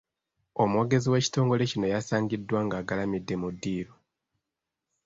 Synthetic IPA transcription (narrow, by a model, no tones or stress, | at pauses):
o̞mwo̞ːɡe̞ziwe̞ːci̥to̞ːŋɡo̞le̞cino̞jasaːɲɟidːwaːŋɡaːɡalamidːe̞mudːiːɾo